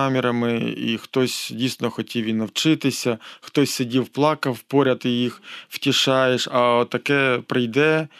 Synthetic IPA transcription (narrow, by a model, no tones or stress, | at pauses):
amʲɪɾɐmɪḭxt̪osʲdʲijsʲɪnɔxɔtʲiʋʲinɐwt͡ʃɪt̪ɪsʲɐxt̪osʲsʲɐdʲiwplˠɑkɐfpoɾʲɐt̪ɪjixw̥tʲɪʃɑjeʂɐt̪ɐkɛpɾɐjd̪ɛ